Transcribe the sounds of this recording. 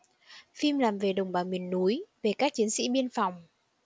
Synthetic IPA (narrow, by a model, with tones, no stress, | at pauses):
fi˧mlaː˨˩mve˨˩ɗə˨˩wŋ͡mɓaː˨˩mi˨˩ənːu˨˦jve˨˩kaː˦˥k̚t͡ɕi˨˦ənsḭ˧˥ɓi˧ənfa˨˩wŋ͡m